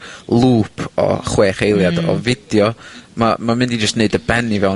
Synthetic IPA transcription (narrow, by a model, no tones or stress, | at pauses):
lˠuːpʰɔ̰χweːχejlˠjadɔ̰vɪdjɔmamamɪ̃ndid͡ʒəstneɨdəbɛnivɛw